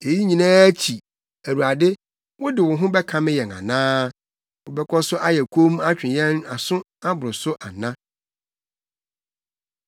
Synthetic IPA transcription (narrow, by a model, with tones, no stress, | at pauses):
e˨ji˦ɲĩ˨nãː˦æ˦t͡ɕʰi˨ | æ˨ɾu˨a˨dɪ˦ | wʊ˦dɪ˨wʊ˨ɦʊ̃˦bɛ˦kʰã˦mɪ̃˦jɛ˨nã̰˨nãː˦ | wʊ˨bɛ˦kʰɔ˦sʊ˦ʔa˦jɛ˨kʷʰo˦m˦a˦t͡ɕᶣɪ̃˨jɛ̃˦na˨sʊ̃˦ | a˦bʊ˨ɾʊ˨sʊ˦ʔa˨nã˦